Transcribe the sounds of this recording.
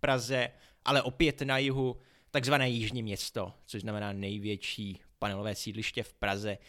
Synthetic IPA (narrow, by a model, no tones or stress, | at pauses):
pɾazɛ | ʔalɛʔo̞pɪjɛt̪najɪɦu | t̪aɡzvanɛːjɪʒɲɪmɲɛst̪o̞t͡soʒznamɛnaːnɛjvjɛt͡ʃiːpanɛlovɛːsiːdlɪʃcɛfpɾazɛ